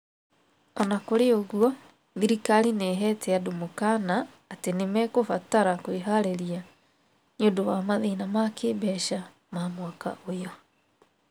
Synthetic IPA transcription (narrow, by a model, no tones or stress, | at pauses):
ɔnakoɾeoɣwɔ | ðiɾikalineɦɛtɛadomokanaː | tenemɛkofataɾakoiɦaɾeɾia | njodowamaðenamakeːbɛʃa | maːmwaka̰ʔojɔ